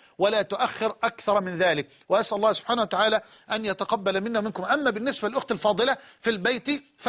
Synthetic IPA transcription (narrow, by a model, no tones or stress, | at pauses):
walaːt̪ʊʔaxːɪɾʔakθɑɾˤmɪnðaːlɪk̚ | waʔasʔlˤːɑːhsʊb̥ħaːnahwat̪aʕaːlæːʔænjat̪aqɑbːalmɪnːamɪnkʊmʔamːæːbɪnːɪsbælɪlʔʊxt̪alfɑːd̪ˤɨlafilbajt̪ | f